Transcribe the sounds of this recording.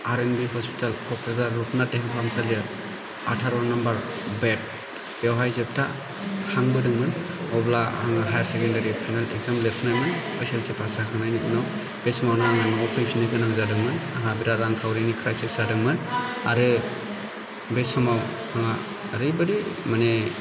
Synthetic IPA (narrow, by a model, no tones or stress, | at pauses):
aɾenbiɦɔspʰi̥talkʰɔpʰɾazaɾːupnateɦaŋpʰamsaliɯ | atʰaɾɔnambaɾ | bet̚ | bewɦajzep̚tʰa | haŋbɯdɯŋmɯn | ɔblaa̰ŋaɦajaɾsekendaɾipʰajnaleɡzamlepʰnajmɯn | ajselsepʰasakʰanajnɯkɯnaw | besɔmawnaaŋanɔɔpʰajsʰinɯkɯnaŋzadɯŋmɯnaɦabiɾaɾaŋkʰawɾinikʰɾajsisadɯŋmɯnaɾɯ | besɔmaw | haŋa | ɾɯjbɯɾimane